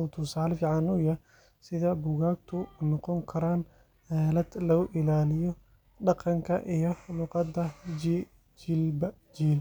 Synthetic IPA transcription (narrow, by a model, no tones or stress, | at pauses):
ɔwt̪ʰʊsaːlfiːʕɑnʊjɐ | sɪðɐbʊɣaːɡ̚t̪ʰʊnɔqɔŋkʰɐɾaːn | hɛːlɐd̪̥lɐɣʊʔɪlaːlɪjɔ | ɖɑqɑŋkʰɐʔijɞlʊqɑd̪ɐd͡ʒ | d͡ʒilbɐ | d͡ʒiːl